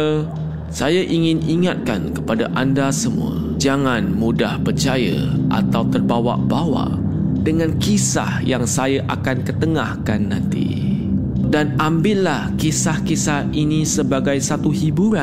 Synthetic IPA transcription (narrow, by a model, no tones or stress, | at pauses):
sajaʔiŋɪ̃niŋat̪̚ka̰nkə̥padaʔandasəmṵ̃ə̰ | d͡ʒaŋanmudahpərt͡ʃaja̰ʔa̰t̪awt̪ərbawa̰ʔbawa̰ʔ | dəŋãnkisa̰hjaŋsajaʔakankət̪əŋahkanːãnt̪ḭ | danambɪʔlahkisahkisahinisəbaɡajsat̪uhibuɾa